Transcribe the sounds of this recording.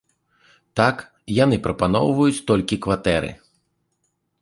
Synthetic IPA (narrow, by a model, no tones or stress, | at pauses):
t̪ak | jan̪ɨpɾɐpanɔ̰wvɐjut͡sʲt̪ɔlʲkʲikvat̪ɛɾɨ̰